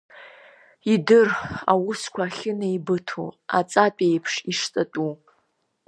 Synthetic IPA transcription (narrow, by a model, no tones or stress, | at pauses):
idɨra̰wʊskʷʰaːχʲɪnaibɨtʰo̰a̰t͡sʼapʼejpʰʂiʂt͡sʼatʼu